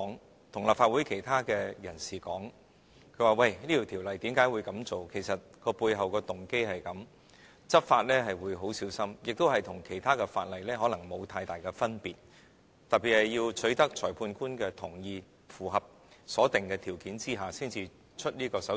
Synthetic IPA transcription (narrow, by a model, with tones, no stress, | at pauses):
ŋ | t̪ʰʊ˨˩ŋlaː˨˩pfaː˧t̚wu˨˥jkʰe˨˩jt̪ʰaː˥kɛː˧jɐ˨˩nsiː˨˩kɔː˨˥ŋ | kʰɵ˨˧˥waː˨˩wɐ˧jniː˥t̪ʰiː˨˩t̪ʰi˨˩wlɐ˨jt̪iː˨˥mkaː˨˥jwu˨˧jkɐ˨˥mt͡so˨wkʰe˨˩jsɐ˨t̚kɔː˧puː˧jɦɐ˨wkɔː˧t̪ʊ˨˩ŋke˥jhɐ˨jkɐ˨˥m | t͡sɐ˥t̚faː˧t̚lɛː˥ɦɐ˨jwuː˨˧jɦo˨˥wsiː˨˥wsɐ˥mjɪ˨k̚t̪o˥whɐ˨jt̪ʰʊ˨˩ŋkʰe˨˩jt̪ʰaː˥kɛ˧fa̰ː˧t̚lɐ˨jlɛː˥ɦɔː˨˥lɐ˨˩ŋmo˨˧wt̪ʰaː˧jt̪aː˨˩jkɛː˧fɐ˥npiː˨˩t̚ | t̪ɐ˨t̚pi˨t̚hɐ˨jːiː˧wt͡ʃʰɵ˨˥jt̪ɐ˥k̚t͡ʃʰɔː˨˩jpʰuː˧nkuː˥nkɛː˧t̪ʰʊ˨˩ŋjiː˧ | fuː˨˩ɦɐ˨p̚ | sɔː˨˥t̪ɪ˨ŋkɛː˧t̪ʰiː˨˩wkiː˨˥nt͡siː˥ɦaː˨siː˥nt͡siː˧ | t͡ʃʰɵ˥t̚liː˥kɔː˧sɐ˨˥